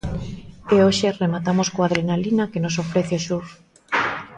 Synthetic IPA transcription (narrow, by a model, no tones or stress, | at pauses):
eoʃeremat̪amoskoað̞ɾenalinakenosofɾeθeoʃuɾ